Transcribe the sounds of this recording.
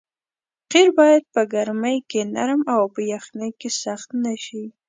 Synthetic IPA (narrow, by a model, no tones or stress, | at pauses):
qiɾbɑjad̪̚pəɡaɾməjkenaɾmawpəjaxnəjkesaxt̪naʃi